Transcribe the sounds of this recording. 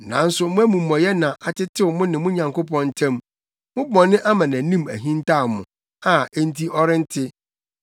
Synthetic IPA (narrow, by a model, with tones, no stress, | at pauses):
nã˨n̩˦sʊ˨mʊ̃˦æ˦mũ˨mɔ̃˨jɛ˦nã˨ʔa˨tɪ˦tʰɪ˦wʊ˨mʊ̃˦nɪ̃˨mʊ̃˦ɲã˨ŋko˦pɔ̃˦n̩˦tʰɛ̃˦m | mʊ̃˦bɔ̃˨nːɪ̃˦ʔa˦mã˨nã˨nĩ˦mæ̰˨ɦĩ˦n˦ta˦˨mʊ̃˨ | a˨e˦n̩˦tʰi˦ɔ˦ɾɪ̃˦n̩˦tʰɪ˦